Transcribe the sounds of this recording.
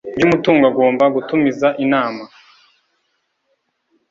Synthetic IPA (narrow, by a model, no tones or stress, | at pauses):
bɟumutuːŋɡaɡo̞ːmbaɡutumizaʔinaːma